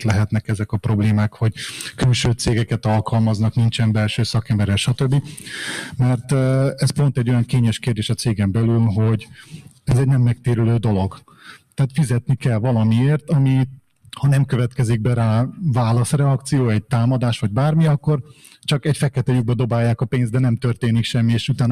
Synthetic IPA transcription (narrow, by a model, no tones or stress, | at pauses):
lɛɦɛt̪nɛkɛzɛkɒpro̞bleːmaːkho̞ɟkylʃøːt̪seːɡɛkɛt̪ɒlkɒlmɒznɒkniɲt͡ʃɛnbɛlʃøːsɒkɛmbɛɾɛʃɒt̪øbːi | mɛrt̪ɛspo̞nt̪ɛɟːo̞jɒŋkeːɲɛʃkeːrd̪eːʃɒt̪seːɡɛmbɛlyːlɦo̞ɟ | ɛzɛɟnɛmːɛk̚t̪eːɾyløːd̪o̞lo̞ɡ | t̪ɛaːt̪fizɛt̪nikɛlvɒlɒmieːrt̪ɒmi | hɒnɛmkøvɛt̪kɛziɡ̚bɛɾaːvaːlɒsrɛɒk̚t̪sijoːɛɟ̚t̪aːmɒd̪aːʃʋɒɟ̚baːrmiɒkːo̞r | t͡ʃɒkɛcfɛkɛt̪ɛjuɡ̚bɒd̪o̞baːjːaːkɒpeːnzd̪ɛnɛmt̪ørt̪eːnikʃɛmːieːʃut̪aːn